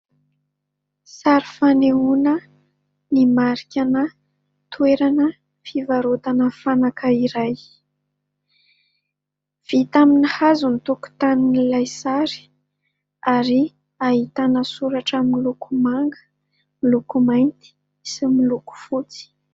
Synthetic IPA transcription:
saɾifaneunə | nimaɾikʲanə | t̪ueɾanə | fivaɾot̪anəfanakəiɾaj | v̥it̪aminhazunit̪uku̥t̪aninilajsaɾi̥ | aɾi | aɦit̪anəsuɾaʈ͡ʂamilukumaŋɡə̥ | milukumajnt̪i̥ | similuku̥fut͡si̥

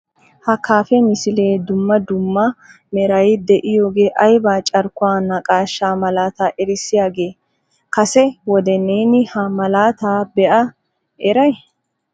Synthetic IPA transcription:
hɐkaːfɛmɪsɪleːd̪ʊmːɐd̪ʊmːɐ | mɛɾɐjd̪ɛʔɪjo̞ːɡe̞ːʔɐjbaːt͡ʃʼɐɾkʊwaːnɐkʼaːʃːaːmɐlaːt̪aːʔɛɾɪsːɪjaːɡe̞ː | kɐsɛwɔd̪ɛneːnɪhɐmɐlaːt̪aːbɛʔɐ | ʔɛɾɐj

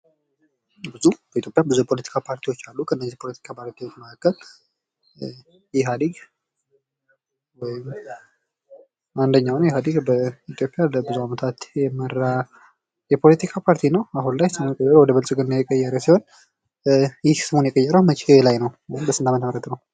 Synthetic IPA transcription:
bɨzub̥əit̪ʰjo̞pʼjabɨzupʰo̞lət̪ʰi̥kʰapʰaɾt̪ʰiwo̞t͡ʃːalːukʰɨɨnːəziipʰo̞lət̪i̥kʰapʰaɾt̪ʰiwot͡ʃːməkʰakːəl | jɛɦad̪iɡ | wɔjɪm | and̪əɲːawnjɛɦad̪ɨɡbəit̪ʰjo̞pʼjaləbɨzuamət̪ʰat̪jɛmːəɾːa | jɛpʰo̞lət̪ʰikʰapʰaɾt̪ʰinəwaɦunlajsɨmonkʼəjːɛɾəwɔd̪əβəlsʼɨɡənnjɛkʼəjːɛɾəsiho̞n | jɪhsɨmonjɛkʼəjːɛɾəwmət͡ʃʼelajnəwwɔmbəsɨnd̪amət̪ʰəməɾət̪nəw

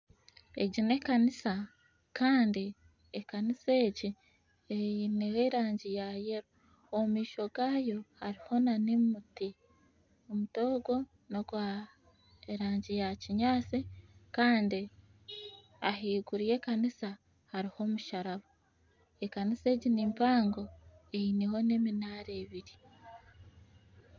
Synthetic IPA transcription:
e̞̰ɟine̞kanisa | kaːndi | ekanise̞ːɟi | einiweɾaːɲɟijaje̞ɾo | omiːʃo̞ɡaːjo̞haɾiho̞nanimuti | omuto̞ːɡo̞ | noɡwa | eɾaːɲɟijaciɲaːt͡sikaːndi | aɦiːɡuɾije̞ːkanisa | haɾiho̞ːmuʃaɾaβo | ekanise̞ːɟinimpaːŋɡo̞einiho̞ne̞minaɾeːβiɾi

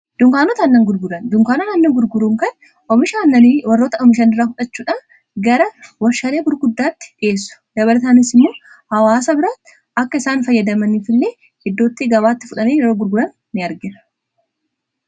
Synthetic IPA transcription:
d̪̥ʊŋkaːnɔt̪ɐnːɐŋɡʊɾɡʊɾɐnd̪ʊŋkaːnonaːnːɐŋɡʊɾɡʊɾuːŋkɐn | ʔɔmɪʃaːnːɐwɐrːoːt̪ɐʔɔmɪʃ̬ɐnɪrːaːfʊᶑɐt͡ʃːuːᶑɐ | ɡɐɾɐwɐɾʃɐle̞ːɡʊɾɡʊd̪ːaːt̪ːɪ̥ᶑɪeːs̬ːʊ̥d̪ɐβɐlɐt̪aːnɪsɪmːoː | hɐwaːsɐbɪɾaːt̪ːɪ | ɐkːɐɪsaːnfɐjːɐd̪ɐmɐniːfɪlːe̞ː | hɛd̪ːo̞ːt̪ːɪɡɐβaːt̪ːɪfʊᶑɐneːjɛɾo̞ːɡʊɾɡʊɾɐnːɪɐɾɡɪnɐ̥

